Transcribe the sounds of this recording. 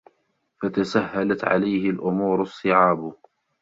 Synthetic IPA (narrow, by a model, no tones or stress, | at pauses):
fat̪asahːalat̪ʕa̰lajhɪlʔʊmuːɾʊsˤːɨʕaːb